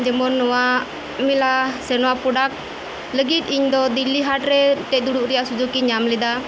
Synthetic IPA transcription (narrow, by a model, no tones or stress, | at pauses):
d͡ʒɛmɔnːɔwa | milasɛnɔwapuɖak̚ | ləɡit̪̚ˀiɲd̪ɔd̪ilːiɦaʈɾɛʈ̪ɛd̪uɽuʔɾɛjaʔsud͡ʒukiɲamlɛd̪a